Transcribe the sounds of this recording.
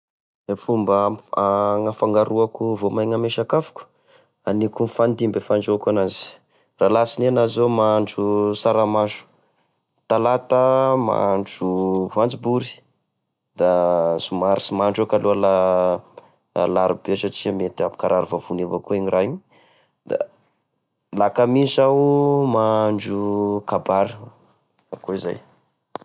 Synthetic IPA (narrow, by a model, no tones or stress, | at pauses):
efumbaaŋafaŋɡaɾuakuvomajŋameʃakafu̥kə̥ | anikunfand̪imbefaɳɖ͡ʐokanazi̥ | raːlasinianaziomaɳɖ͡ʐusaɾamaɳʈ͡ʂu̥ | t̪alat̪əma̰ɳɖ͡ʐufant͡sibuɾi̥ | d̪̥az̥umaɾisimaɳɖ͡ʐokaluala | laɾubet͡ʃat͡siamet̪iapu̥kaɾaɾuvavunevakueɲiraɲi | d̪a̰ | lakamisawmaɳɖ͡ʐukabaɾi | akoiza̰j